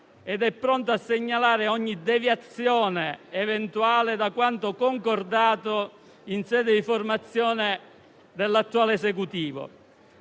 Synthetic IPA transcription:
ɛd̪ɛpːɾɔnt̪oasːeɲːalaːɾɪɔɲːid̪evjat̪sjɔːneːvɛnt̪uaːlɪd̪akwant̪ʊkoŋkord̪aːt̪o | insɛːd̪ɪd̪iformat̪sːjɔːnɪ | d̪elːat̪ːuaːleesek̬ut̪iːvʊ̰

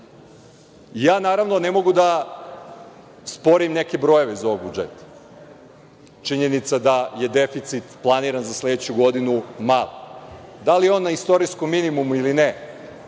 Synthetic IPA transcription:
ijaːnaːɾaʋnonemo̞ɡud̪a | spo̞ɾimne̞ke̞bɾo̞je̞ʋezao̞oɡ̚bud͡ʒḛt̪ḁ | t͡ʃiɲe̞nit̪sad̪aje̞d̪e̞fit̪sit̪plˠaniɾanzasled̪et͡ɕuɡo̞d̪inumalˠod̪alijeoːnːaist̪o̞ɾiskomːinimumuiline

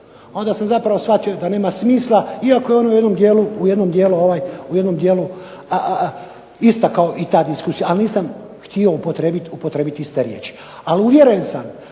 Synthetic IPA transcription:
o̞nd̪asamzapɾaʋo̞sʋat̪io̞d̪ane̞ːmasmiːslˠaiakojeo̞noje̞d̪no̞md̪jeːluuje̞d̪no̞md̪jeːluoʋaːjujed̪nomd̪jeːlu | ist̪akao̞ʔit̪aːd̪iskuːsijaalniːsam | xt̪io̞upot̪ɾebit̪upo̞t̪ɾebit̪iist̪eɾjḛːt͡ʃi̥ | aliuʋje̞ɾujensam

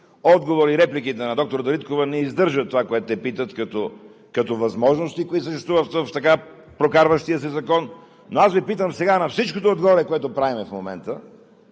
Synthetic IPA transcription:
ɔd̪ɡovoɾiɾɛplikit̪ɛnɐd̪ɔk̚t̪oɾəd̪ɐɾit̪kovɐnɛizd̪ɤɾʒət̪ːovakoɛt̪ʊt̪ɛpit̪ət̪kɐt̪o | kɐt̪ovɐzmɔʒnost̪ikoisəʃt̪ɛst̪vuvət̪vəft̪ɐka | pɾokaɾvəʃt̪iəsizɐkɔnː | oasvipit̪əmsɛɡanɐfsit͡ʃkot̪oːd̪ɡovoɾɛkoɛt̪opɾavimɛfmomɛ̰nt̪ə

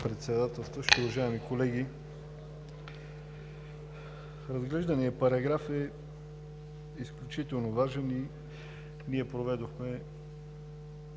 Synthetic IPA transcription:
pɾɛt̪sɛd̪at̪ɛlˠst̪vəʃʲiʊvɐʒaɛmikolɛɡi | ɾɐzɡlɛʒd̪ɐniɛpɐɾɐɡɾafɛ | isklʲut͡ʃit̪ɛlˠnovaʒɛni | niɛpɾovɛd̪oxmɛ

